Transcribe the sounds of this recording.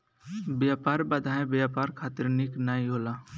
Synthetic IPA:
bjaːpaːɾbəd̪ʱaːẽbjaːpaːɾkʰaːt̪ɪɾnɪknaːiɦoːlaː

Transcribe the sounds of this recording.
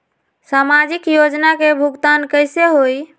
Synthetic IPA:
samad͡ʒikjod͡ʒnakebʱuɡt̪ankəjseɦoj

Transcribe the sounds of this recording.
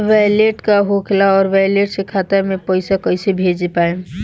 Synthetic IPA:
ʋaleʈkaɦokʰlaɔːɾʋajleʈsekʰaːt̪amẽpəɪsakəɪsebʱeːd͡ʒepaːe

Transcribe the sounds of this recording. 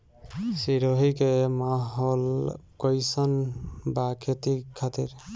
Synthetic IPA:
siɾoɦikemaɦolkojsənbakʰet̪ikʰat̪iɾ

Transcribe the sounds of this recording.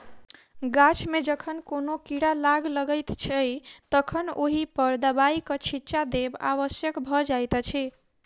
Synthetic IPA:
ɡat͡ʃʰmed͡ʒəkʰənkonokiɽalaɡləɡəjt̪t͡ʃʰəjt̪əkʰənoɦipəɾd̪əbaikət͡ʃʰit͡ʃad̪eba̰βəsjəkbʱɔd͡ʒajt̪t͡ʃʰi

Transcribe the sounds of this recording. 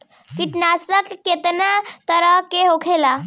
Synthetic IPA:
kiʈnasəkːet̪nat̪əɾəɦkeɦokʰela

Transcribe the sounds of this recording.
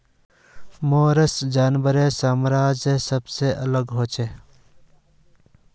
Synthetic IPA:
moːɾəsd͡ʒaːnʋəɾesaːmɾaːd͡ʒesəbseʔələɡɦoːt͡ʃʰeː

